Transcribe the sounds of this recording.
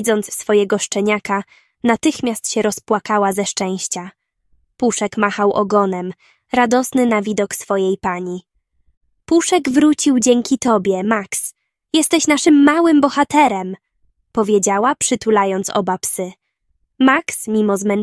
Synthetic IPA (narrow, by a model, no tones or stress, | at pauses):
d̪zɔnt̪sːfɔjɛɡɔʂt͡ʂɛɲaka | nat̪ɘxmʲjast̪ɕɛɾɔspwakawazɛʂt͡ʂɛ̃w̃ɕt͡ɕa | puʂɛkmaxawʔɔ̰ɡɔnɛm | ɾad̪ɔsnɘnavʲid̪ɔksfɔjejpaɲi | puʂɛɡvɾut͡ɕiwd͡ʑɛŋkʲit̪ɔbʲjɛmaks | jɛst̪ɛɕnaʂɘmːawɘmbɔxat̪ɛɾɛm | pɔvʲjed͡ʑawapʂɘt̪ulajɔnt̪sɔ̰bapsɘ | maksmʲimɔzmɛn